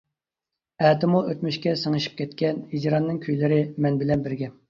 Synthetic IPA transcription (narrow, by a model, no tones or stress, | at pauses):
ɛːt̪ɪmuʔøt̪myʃkʲɛsəŋɨʃi̥p̚kʲʰɛt̪kʲɛnhid͡ʒɾɑnːɨŋkʲʰøjlɪɾɪmɛnbɪlɛnbɪɾɡʲɛm